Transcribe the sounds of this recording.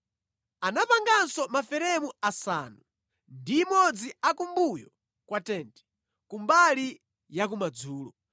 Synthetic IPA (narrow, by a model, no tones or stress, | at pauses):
anapaŋɡansɔmafɛɾɛmuasa̰ːnu | ndimɔd͡ziakumbujɔ | kwatɛːntɛ̥ | kumbali | jak̬umad͡zuːlɔ